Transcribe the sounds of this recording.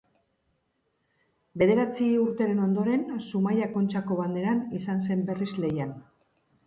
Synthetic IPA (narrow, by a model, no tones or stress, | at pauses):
be̞ðe̞ɾat͡siuɾt̪eɾe̞no̞nd̪o̞ɾe̞nsumajako̞nt͡ʃako̞βand̪e̞ɾanisanse̞mbe̞rizle̞jan